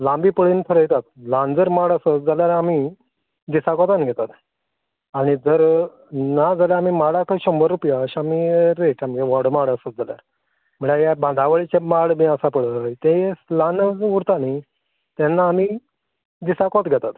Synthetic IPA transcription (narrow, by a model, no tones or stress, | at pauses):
lãmbiːpəɽiːnt̪ʰəɾəjt̪at̪̚lãnd͡zəɾmaɽəsət̪̚d͡zaljaɾami | d̪isakɔt̪anɡʱɛt̪at̪ | aɽ̃id͡zəɾ | nad͡zaljaamimaɽakaiɕombəɾːupjaɕamiɾeʈamɡeʋɔɽmaɽəsət̪̚d͡zalja̰ɾ | məɭajabãnd̪ʱaʋəɭit͡ɕemaɽbĩəsapəɽət̪ẽslanəd͡zuɾt̪ani | t̪ɛnːaːmi | d̪isakɔt̪ɡʱɛt̪at̪